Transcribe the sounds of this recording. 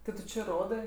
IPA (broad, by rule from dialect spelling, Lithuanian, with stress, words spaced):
tʲɪ ˈtʊ t͡ʃʲɪ ˈroːdɜ